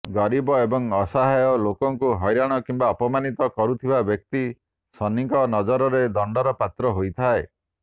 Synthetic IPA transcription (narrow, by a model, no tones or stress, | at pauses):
ɡɔɾibɔebɔŋɔsaɦajɔlokɔŋkuɦɔjɾaɽ̃ɔkimbaɔpɔmanit̪ɔkɔɾut̪ʰibabjɔk̚t̪i | sɔniŋkɔnɔd͡ʒɔɾɔɾed̪ɔɳɖɔɾɔpat̪ɾɔɦojt̪ʰae